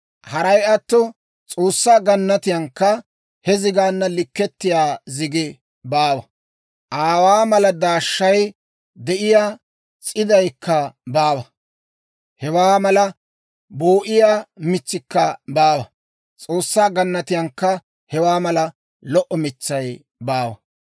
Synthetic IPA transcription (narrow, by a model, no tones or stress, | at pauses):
hɐɾɐjɐt̪ːɔ | t͡sʼoːsːaːɡɐnːɐt̪ɪjɐŋkːɐ | hɛzɪɡaːnːɐlɪkːɛt̪ːɪjaːzɪɡɪ | baːwɐ | ʔaːwaːmɐlɐd̪aːʃːɐj | d̪ɛʔɪjaː | t͡sʼɪd̪ɐjkːɐbaːwɐ | hɛwaːmɐlɐ | boːʔɪjaːmɪt͡sːɪkːɐbaːwɐ | t͡sʼo̞ːsːaːɡɐnːɐt̪ɪjɐŋkːɐ | hɛwaːmɐlɐ | lɔʔɔmɪt͡sːɐj | baːwɐ̰